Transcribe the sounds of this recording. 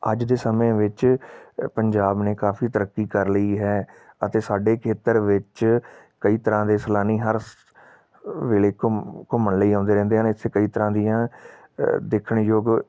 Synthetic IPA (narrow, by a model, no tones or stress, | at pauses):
əd͡ʒd̪eːsəmẽːʋɪt͡ʃ | pəɲd͡ʒaːbneːkaːfʰiːt̪əɾəkːiːkəɾləiːɦɛː | ət̪eːsaːɖeːkʰeːt̪əɾʋɪt͡ʃ | kəiːt̪əɾãːd̪eːsəlaːniːɦəɾ | ʋeːleːkkʊmənləiːãːnd̪eːɾɛ̃ːnd̪eːɦanɪt̪ʰːeːkəiːt̪əɾãːd̪ijãː | d̪eːkʰəɳjoːɡ